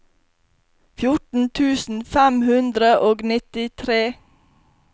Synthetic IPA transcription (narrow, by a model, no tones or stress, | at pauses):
fjʊʈn̩t̪ʰʉːsn̩fæmhʉnd̪ɾəʔoːɡnɪt̪ɪt̪ʰɾeː